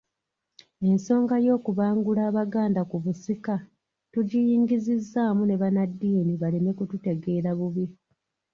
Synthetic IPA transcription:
e̞nso̞ːŋɡajo̞ːkuβaːŋɡulaːβaɡaːndakuβusika | tuɟijiːŋɡizizːaːmune̞βanadːiːniβalime̞kutute̞ɡe̞ːɾaβuβje

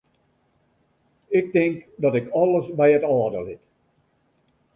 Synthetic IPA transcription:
ɪk̚tɪŋkdɔtɪkɔlˠəsbɛjətɔːdəlɪt

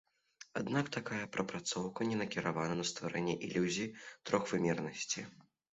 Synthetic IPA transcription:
ad̪nakt̪akajɐpɾɐpɾat̪sɔwkɐnʲɛnɐkʲiɾavanɐnɐst̪vaɾɛnʲːɛʔilʲuzʲiit̪ɾɔxvɨmʲɛrnɐsʲt͡sʲi

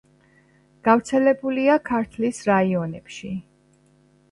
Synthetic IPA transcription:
ɡ̥avɾt̪sʰɛlɛbuliakʰaɾt̪ʰlisɾaiɔnɛpʃi

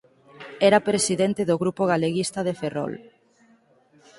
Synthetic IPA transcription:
ɛɾapɾesiðɛnt̪ɪðoɣɾupoɣ̞aleɣist̪ɐðeferɔ̰l

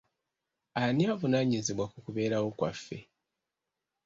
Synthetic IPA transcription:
aniavunaːɲiziβwakukuβe̞ːɾawo̞kwafːe̞̰

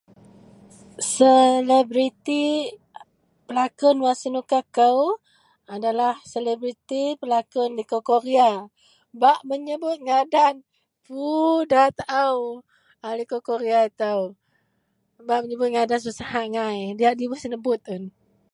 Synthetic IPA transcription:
səlebɾit̪i | pəlakʊnwasənukakəw | adalahselebɾit̪ipəlakʊnlikokoɾia | baʔməɲəbʊt̪̚ŋadan | pudat̪aʔaw | alikokoɾiait̪aw | baʔməɲəbʊt̪̚ŋadanusahaʔŋajdiaʔdiwasənəbʊt̪̚ʊn

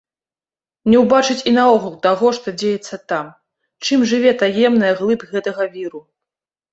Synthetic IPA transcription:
nʲɛwbat͡ʂɨt͡sʲinaɔɣulˠt̪aɣɔʂt̪ɔd͡zʲejɛt̪sːɐt̪am | t͡ʂɨmʐɨvʲɛt̪ajɛmnɐjɐɣlˠɨpɣɛt̪ɐɣɐvʲiɾu

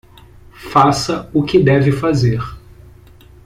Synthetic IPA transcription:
fasɐʊkɪd̪ɛvɪfazeɾ

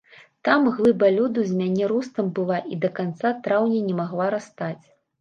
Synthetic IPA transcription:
t̪amɣlˠɨbalʲud̪uzʲmʲanʲɛɾust̪ɐmbɨlˠaʔid̪ɐkant̪sat̪ɾawnʲɛnʲɛmaɣlˠaɾast̪at͡sʲ

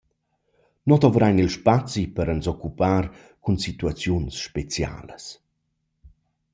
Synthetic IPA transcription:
nɔt̪ɔvɾajnilʃpat͡sipəɾənsɔkːupaːɾ | kunsit̪uat͡sjunsʃpet͡sja̰ːlə̰s

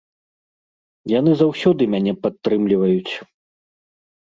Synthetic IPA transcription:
jan̪ɨzawsʲɔd̪ɨmʲanʲɛpat̪ːɾɨmlʲivɐjut͡sʲ

